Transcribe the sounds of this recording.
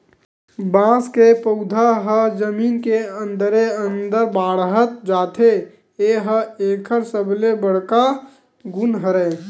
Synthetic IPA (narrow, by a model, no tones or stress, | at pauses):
bãːskepəʊd̪ʱaɦəd͡ʒəmiːnkeə̃nd̪əɾeənd̪əɾbaːɽɦət̪̚d͡ʒaːt̪ʰe | eɦəeːkʰəɾsəblebəɽ̤ka | ɡʊnɦəɾɛ